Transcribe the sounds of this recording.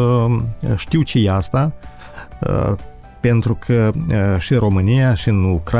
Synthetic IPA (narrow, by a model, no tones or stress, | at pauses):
ʃt̪iwt͡ʃejeast̪a | pe̞nt̪ɾukʰəʃinɾo̞mɨnijaʃiɨnukɾa